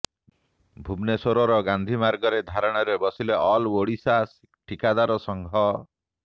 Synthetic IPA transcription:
bʱubnesoɾɔɾɔɡand̪ʱimaɾɡɔɾed̪ʱaɾɔɽ̃ɔɾebɔsileʔɔlwoɽisas | ʈikad̪aɾɔsɔŋɡʱɔ

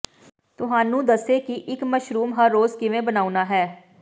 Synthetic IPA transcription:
t̪ʊɦaːnũːd̪əseːkɪʔɪkməʃɾuːmɦəɾːoːzkɪʋẽːbənaːunaːɦɛː

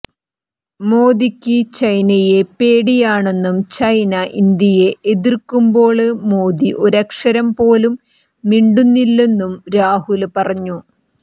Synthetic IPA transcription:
moːd̪ikʲːɨt͡ɕɐjnɐje̞pe̞ːɽijaːɳe̞nːumt͡ɕɐjnɐʔind̪jɐje̞ʔeðirkːumbo̞ːɭɨmo̞ːd̪iʔoɾɐkʂɐɾɐmpo̞ːlumː | iɳɖunːilːe̞nːumɾaːhulpɐrɐɲːu

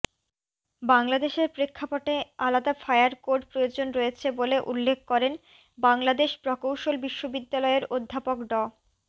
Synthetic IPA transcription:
baŋlad̪eʃeɾpɾekʰːapoʈealad̪afajaɾkoɾɖpɾojod͡ʑonɾoet͡ɕʰeboleʔulːekʰkɔɾen | baŋlad̪eʃpɾɔkowʃolbiʃːobid̪ːalɔeeɾod̪ʱːapokɖɔ

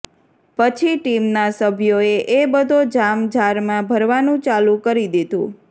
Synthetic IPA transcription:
pət͡ʃʰiʈimnasəbʱjoeʔebəd̪ʱod͡ʒamd͡ʒaɾmãbʱəɾʋanũt͡ʃalũkəɾid̪id̪ʱṵ̃

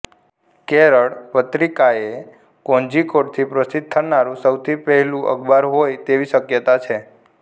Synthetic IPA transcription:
keɾəɭpət̪ɾikae | kõnd͡ʒikoʈt̪ʰipɾəsɪt̪̚ʰːənaɾũsəwt̪ʰipɛɦɛlũʔə̰ɡbaɾɦojt̪eʋiʃəkjət̪at͡ʃʰe

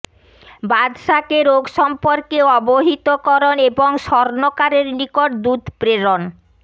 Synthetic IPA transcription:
bad̪ʃakeɾoɡʃɔmpoɾkeɔboɦit̪okɔɾoneboŋʃɔɾnokaɾeɾnikoʈ̚d̪ud̪ʱpɾeɾon

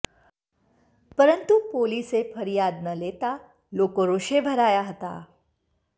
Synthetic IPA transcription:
pəɾənt̪upoːliːsefəɾijaːd̪nɐleːt̪a | loːkoɾoːʃebʱɐɾaːjaɦət̪a̰

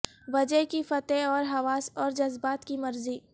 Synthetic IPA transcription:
ʋɐd͡ʒəɦkifɐt̪eɔːɾɦɐʋaːsɔːɾd͡ʒɐzbaːt̪kimɐɾziː

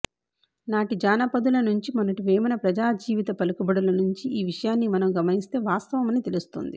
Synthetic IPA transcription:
naːʈid͡ʒaːnɐpɐd̪ulɐnuɲt͡ʃimɐnɐʈuʋeːmɐnɐpɾɐd͡ʒaːd͡ʒiːʋit̪ɐpɐlukubɐɽulɐnuɲt͡ʃiiːʋiʂɐjaːnːimɐnɐmɡɐmɐnist̪e̞ːʋaːst̪ɐʋɐmɐnit̪e̞lust̪o̰nd̪ḭ

